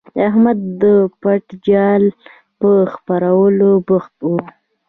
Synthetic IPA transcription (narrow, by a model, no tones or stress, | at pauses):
aɦmad̪ːəpaʈd͡ʒɑl | pəxpaɾawəlobʊxt̪wu